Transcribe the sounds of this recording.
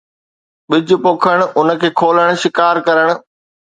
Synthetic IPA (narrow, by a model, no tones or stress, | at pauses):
ɓɪd͡ʑʊpoːkʰəɽ̃̆ʔʊn̆kʰeːkʰoːləɽ̃̆ʃɪkaːɾkɐɾəɽ̃ʊ̆